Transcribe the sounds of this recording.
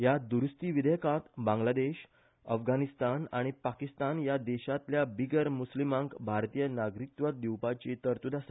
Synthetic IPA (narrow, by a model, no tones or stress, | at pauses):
jad̪uɾst̪iʋid̪əjəkat̪bãŋɡlad̪eɕ | əfɡanist̪anaɽ̃ipakist̪anjad̪ɛɕat̪ljabiɡəɾmuslimãŋɡbʱaɾt̪ijənaɡɾik̚t̪ʋat̪̚d̪iwpat͡ɕet̪əɾt̪ud̪ʱas